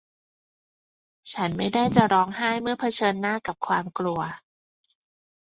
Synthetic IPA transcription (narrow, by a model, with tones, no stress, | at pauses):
t͡ɕʰa˦˥nma˥˩jdaː˥˩jt͡ɕa˨˩ɾɔː˦˥ŋhaː˥˩jmɯ˥˩ɐpʰa˧t͡ɕʰɤː˧nːaː˥˩ka˨˩p̚kʰwaː˧mklu˧ɐ